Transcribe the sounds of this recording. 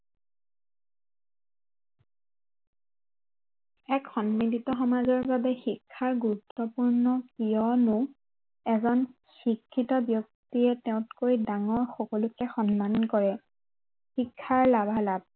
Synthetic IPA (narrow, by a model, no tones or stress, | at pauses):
ɛkxɔnmititɔxɔmazɔɹbabɛxikʰːaɹɡuɹutːɔpuɹnɔkijɔnʊ̃ | ɛzɔn | xikʰːitɔbjɔk̚tiɛtɛʊ̃tkojdaŋɔɹxɔkɔlʊkɛxɔnmankɔɹɛ | xikʰːaɹlabʱalab̚